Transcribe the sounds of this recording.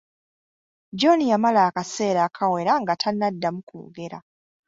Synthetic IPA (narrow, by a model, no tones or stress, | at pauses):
d͡ʒonijamalaːkase̞ːɾaːkʰawe̞ɾaŋɡatʰanːadːamukṵːɡe̞ɾa̰